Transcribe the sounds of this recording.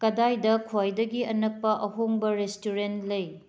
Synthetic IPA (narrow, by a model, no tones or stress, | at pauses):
kɐdajdɐkʰojdɐɡiɐnɐk̚pɐʔɐɦoŋbɐɾestuɾentlɐj